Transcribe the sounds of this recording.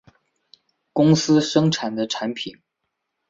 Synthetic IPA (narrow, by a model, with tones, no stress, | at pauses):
kʊ˥ŋsɹ̩˥ʂɤ˥ŋʈ͡ʂʰa˨˩nd̪ə˦ʈ͡ʂʰa˧˥npʰi˨˩˦n